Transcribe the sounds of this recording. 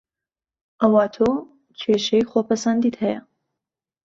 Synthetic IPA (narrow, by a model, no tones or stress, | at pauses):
ʔɐwaːt̪ʰo | t͡ʃʰeːʃejxopʰɐsand̪iːt̪hɛjɐ̰